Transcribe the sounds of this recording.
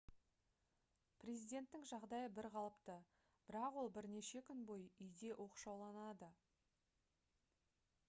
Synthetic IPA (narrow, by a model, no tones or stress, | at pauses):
prʲe̞zijd̪ʲe̞nt̪ːɪŋʒɑʁd̪ɑjəbɪɾqʰɑlˠəpt̪ə | b̥ɪɾɑqwo̞lˠbɪɾne̞ʃe̞kʲʰʏnbo̞jʏjd̪e̞ʔo̞qu̥ʃɑwlˠɑnɑd̪ə